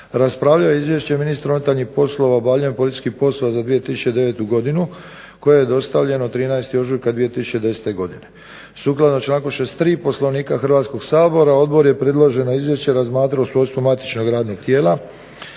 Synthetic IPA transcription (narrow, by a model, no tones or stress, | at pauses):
ɾaspɾaʋʎaoeizʋje̞ʃt͡ɕe̞minist̪aɾunet̪aʎnixpo̞slˠo̞ʋaobaːvʎujempolit̪i̥skixpo̞sloʋazad̪ʋije̞t̪isu̥t͡ɕe̞d̪e̞ʋet̪uɡo̞d̪inu | ko̞jejed̪o̞st̪aʋʎe̞not̪ɾiːnaest̪io̞ʒujkad̪ʋijet̪isu̥t͡ɕed̪e̞set̪e̞ɡo̞d̪ine̞ | suːklad̪not͡ʃlaːŋkoʃest̪t̪ːɾiːpo̞slo̞ʋniːkaxrʋaːt̪sko̞ɡsaːbo̞ɾao̞d̪bo̞ɾje̞pɾe̞d̪lˠo̞ʒe̞noizʋje̞ʃt͡ɕeɾazmaːt̪ɾaosʋojst̪umat̪i̥t͡ʃno̞ɡɾaːd̪no̞ɡ̚t̪je̞ːla